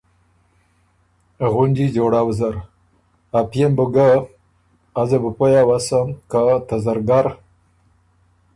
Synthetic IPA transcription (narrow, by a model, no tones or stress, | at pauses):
ɣund͡ʒid͡ʒoɽawzaɾ | apjembuɡa | azəbəpojawasəmkat̪azaɾɡaɾ